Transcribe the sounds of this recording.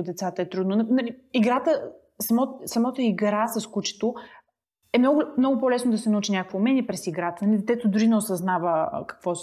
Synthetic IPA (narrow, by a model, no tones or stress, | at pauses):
ʊd̪ɛt̪sat̪əɛt̪ɾud̪nʊnnɐliiɡɾat̪ə | sɐmɔt̪sɐmɔt̪əiɡɾasɐskut͡ʃɛ̥t̪o | ɛmnɔɡʊmnɔɡʊpɔlɛsnod̪ɐsɛnɐut͡ʃinʲakəkviːmɛnʲiɛpɾɛsiɡɾat̪ənɐlid̪ɛt̪ɛt̪od̪uɾinɛʊsɐznavə̰kɐ̥kvɔ